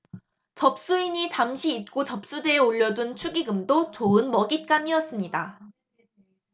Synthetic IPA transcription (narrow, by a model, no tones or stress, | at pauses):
t͡ɕʌp̚s͈uiɲit͡ɕamɕʰiːt̚k͈ot͡ɕʌp̚s͈ude̞eoʎːʌdunt͡ɕʰuɡiɡɯmdot͡ɕoɯnmʌɡit̚k͈amiʌs͈ɯmɲida